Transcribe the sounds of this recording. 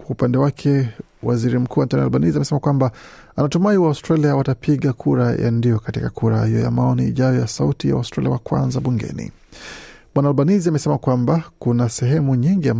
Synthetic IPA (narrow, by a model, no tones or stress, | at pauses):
kwaupandɛwakʰɛ | wa̰ziɾim̩kuːwantɔnia̰lɓaniziamɛsɛmakwambaanatumaiwaustɾaliawatapʰiɠakʰuɾajʔa̰ndijɔkatikakuɾahijɔja̰maɔnihḭʄajɔjasautijawa̰ustɾalḭawakwa̰nzaɓuŋɡɛ̰nḭ | ɓwanaːlɓaniziamɛsɛmakwambakunasɛɦɛmuɲiŋɡiam